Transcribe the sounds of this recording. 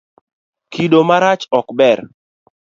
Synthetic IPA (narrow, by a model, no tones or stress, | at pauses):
kʰidomaɾat͡ʃɔkbɛɾ